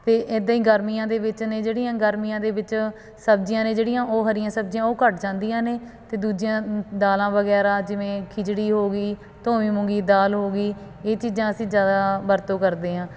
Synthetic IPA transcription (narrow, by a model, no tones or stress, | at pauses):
t̪eːʔɪd̪ãĩːɡəɾmijãːd̪eːʋɪt͡ʃneːd͡ʒeːɽɪjãːɡəɾmijãːd̪eːʋɪt͡ʃ | səb̚d͡ʒjãːnẽːd͡ʒeːɽɪjãːʔoːɦəɾɪjãːsəb̚d͡ʒɪjãːoːkəʈ̚d͡ʒãːnd̪ijãːneːt̪eːd̪uːd͡ʒɪjãːd̪aːlãːʋəɡɛːɾaːd͡ʒɪʋẽːkʰɪd͡ʒɽiːɦoːɡiː | t̪õːʋĩːmʊ̃ŋɡiːd̪aːlɦoːɡiː | eːt͡ʃiːzãːəsĩːzjaːd̪aːbəɾt̪õːkəɾd̪eːɦãː